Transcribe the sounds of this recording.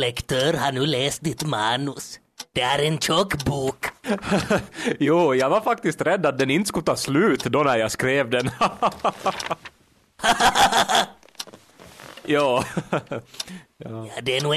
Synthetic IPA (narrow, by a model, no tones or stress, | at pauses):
lɛkt̪ʰøːɾhanʉːleːst̪̚d̪ɪt̪mɑːnɵs | d̪̥ɛæɾɛnɕɔkːbuːk | juːjɑɡvaɾfak̚t̪ɪst̪ɾɛd̪ːat̪̚d̪ɛnɪnt̪əskʊt̪ʰɑːslʉ̟ːt̪d̪ɔnæɾjaskɾeːvd̪ɛn | jɑː | jɑːd̪ɛnuː